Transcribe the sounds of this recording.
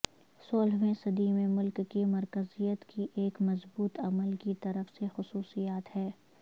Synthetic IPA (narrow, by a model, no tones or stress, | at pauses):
soːlʋẽsɐd̪imẽmʊlkːimɐɾkəzijət̪kʰiʔeːkmɐzbuːt̪ɐməlkit̪ɐɾəfsexʊsuːsijaːt̪hɛː